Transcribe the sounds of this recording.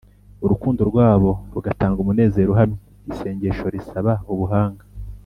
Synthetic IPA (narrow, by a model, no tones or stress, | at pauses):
uɾukuːndoɾɡwaːβo̞ɾuɡataːŋɡumune̞ːze̞ːɾuɦamɲe | ise̞ːɲɟe̞ʃo̞ɾisaβauβuɦaːŋɡa